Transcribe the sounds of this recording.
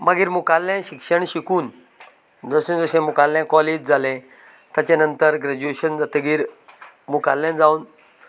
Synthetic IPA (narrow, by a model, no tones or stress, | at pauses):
maɡiːɾmukalːãɕikʂəɳɕikuːn | d͡zəɕũnd͡zəɕẽmukalːjãkɔled͡ʑd͡zʱalẽ | t̪jat͡ɕanənt̪əɾɡɾad͡ʑueɕənd͡zat̪əɡiːɾ | mukalːjãnd͡zauːn